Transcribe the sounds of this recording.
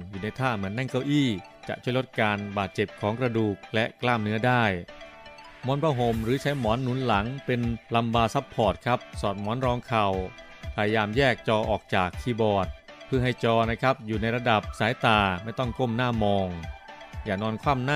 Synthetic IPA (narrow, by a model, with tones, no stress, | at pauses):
juː˨˩na˧jt̪ʰaː˥˩mɯ˩˦ənːɛ˥˩ŋka˧˩wʔiː˥˩ | t͡ɕa̰˨˩ʔt͡ɕʰu˥˩əjlo˦˥t̪̚kaː˧nbaː˨˩t̪̚t͡ɕe˨˩p̚kʰɔː˩˦ŋkɾa˧duː˨˩k̚lɛ˦˥ʔklaː˥˩mnɯ˦˥ɐdaː˥˩j | mɔː˨˦˥npʰaː˧˥˩ɦo˧˩mɾɯː˩˦t͡ɕʰa˦˥jmɔː˩˦nːuː˩˦nla˩˦ŋpe˧nla˧mbaː˧sa˦˥pʰːɔː˨˩t̪̚kʰa˦˥p̚sɔː˨˩t̪̚mɔː˩˦nɾɔː˧ŋkʰa˨˧˩w | pʰa˧ja˧jaː˧mjɛː˥˩k̚t͡ɕɔː˧ʔɔː˨˩k̚t͡ɕaː˨˩kʰːiː˧bɔː˨˩t̪̚ | pʰɯ˥˩ɐɦa˥˩jt͡ɕɔː˧na˥˩kʰa˦˥p̚juː˨˩na˧jɾa˧da˨˩p̚saː˨˩˦jt̪aː˨˩ma˥˩jt̪ɔ˥˩ŋko˥˩mnaː˥˩mɔː˧ŋjaː˨˩nɔː˧nkʰwaː˥˩mna˥